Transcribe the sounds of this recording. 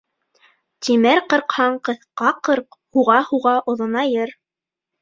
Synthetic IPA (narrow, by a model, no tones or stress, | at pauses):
t̪imɘɾqɤ̆ɾqhɑɴqɤ̆θqɑqɤɾqhuʁɑhuʁɑʔŏðɤ̆nɑjɤɾ